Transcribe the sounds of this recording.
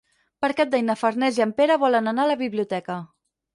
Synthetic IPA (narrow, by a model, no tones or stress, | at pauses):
pəɾkɛt̪̚d̪əjnəfəɾnɛziəmpeɾəβɔlənənaləβiβliut̪ɛkə